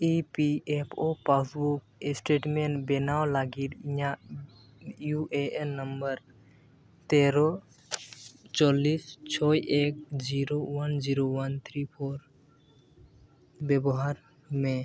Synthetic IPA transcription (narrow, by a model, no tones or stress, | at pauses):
ipiepʰopasbukesʈeʈmenʈbɛnawlaɡiɾija | juʔeenːəmbəɾ | t̪eɾɔ | t͡ʃɔlist͡ʃʰɔjʔek̚d͡ʒiɾowənd͡ʒiɾowənt̪ʰɾipʰoɾ | bɛbɔɦaɾ | me